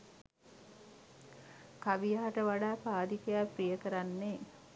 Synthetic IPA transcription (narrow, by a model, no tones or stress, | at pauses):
kaʋijaːʈəʋaɖaːpaːd̪ikejaprijəkəɾanːe